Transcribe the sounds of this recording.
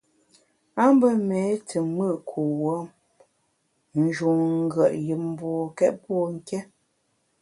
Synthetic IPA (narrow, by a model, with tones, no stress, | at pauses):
a˦m˦bə˦mɛ˨˦tʰə˨mɨ˦˨ʔkʰu˨wə˦ | n̩˦d͡ʒu˨ŋŋ̩˦ɡə˨ʔjɨ˨m˦bɔ˨kɛ˦t̚pɔ˦˨ŋ̩˦˨kɛ˦